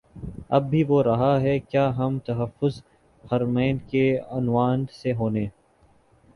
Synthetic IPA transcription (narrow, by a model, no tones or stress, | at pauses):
ɐb̚ːʱiʋoɾɐɦaɦɛkjaːɦɐmt̪ɐɦɐfːʊz | hɐɾmɛ̃ːnkeɐnʋaːnseɦoːneː